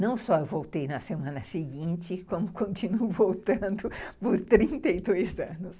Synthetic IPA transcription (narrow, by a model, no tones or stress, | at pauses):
nɐ̃w̃sɔewvowt̪ejnɐsemɐ̃nɐsɪɡĩnt͡ʃɪkõmʊkõnt͡ʃinuʊvowt̪ɐ̃nd̪ʊpʊɾt̪ɾĩnt̪ejd̪ojzɐ̃nʊs